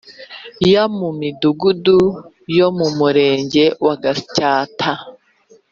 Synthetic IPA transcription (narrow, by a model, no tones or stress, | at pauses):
jamumiduɡudu | jo̞mumuɾe̞ːɲɟe̞waɡacaːtʰa